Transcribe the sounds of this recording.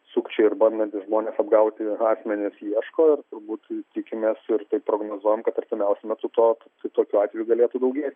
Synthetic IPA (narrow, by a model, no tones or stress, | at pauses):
suːkt͡ʃʲɛɪɪɾbɐnd̪ɐnʲt̪ʲɪsʒmoːnʲɛsɐbɡɐʊt̪ʲɪɑːsʲmʲɛnʲɪsjiɛʃkoːɪɾt̪ʊɾbuːt̪t̪ʲɪkʲɪmʲeːsɪɾt̪ɐɪppːɾoːɡnoːzuɔjɛmkɐt̪ɐɾʲt̪ʲɪmʲɛʊsʲɛmʲɛt̪ʊt̪oː | t̪ɐt̪oːkʲuːɑːt̪ʋʲɛjuɡɐlʲeːt̪ud̪ɐʊɡʲeːt̪ʲ